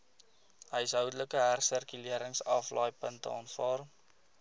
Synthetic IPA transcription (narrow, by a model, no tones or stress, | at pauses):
ɦəjsɦœwdələkəɦærsərkyliəɾəŋsɐflɑːjpəntə̰ɑːntfɑːr